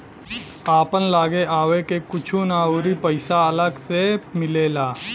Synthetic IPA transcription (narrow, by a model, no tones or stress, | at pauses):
aːpənlaːɡeʔaːwekekʊt͡ʃʰunaːoːɾipəɪsaɐləɡsemɪleːlaː